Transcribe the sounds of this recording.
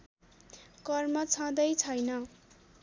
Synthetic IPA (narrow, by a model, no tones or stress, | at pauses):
kʌrmʌt͡sʰʌ̃d̪ʌjt͡sʰʌjnʌ